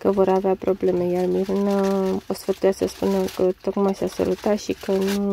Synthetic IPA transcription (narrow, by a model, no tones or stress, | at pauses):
kəvo̞ɾaveapɾo̞ble̞me̞jarmiɾunəosfət̪ujasəspunəkət̪o̞kmajsasa̰lut̪at̪ʃikənu